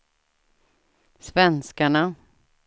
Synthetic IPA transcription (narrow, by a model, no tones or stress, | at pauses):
svɛnskaɳa